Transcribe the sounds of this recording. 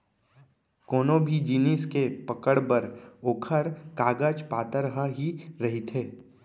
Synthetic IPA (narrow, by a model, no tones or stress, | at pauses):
koːnõbʱid͡ʒiːniskepɐkəɽbəɾoːkʰəɾkaːɡəd͡ʒpaːt̪əɾɦəɦiɾɐɦit̪ʰeː